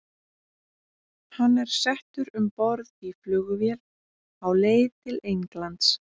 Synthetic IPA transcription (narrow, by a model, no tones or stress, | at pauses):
hanːɛɾ̥sɛht̪ʏɾʏmpɔɾðiflʏːɣʏvjɛl | awleːjt̪ʰɪlejŋklant̪s